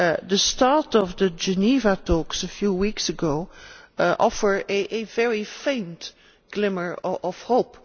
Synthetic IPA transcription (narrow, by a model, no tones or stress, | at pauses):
dəstɑɹtɔvdəd͡ʒənivatoksəfjuwiksəɡo | ʔɔfə˞ɨʔəvɛɹifẽɪ̃nt | ɡ̥lɪmə˞ɔv̥hoʊp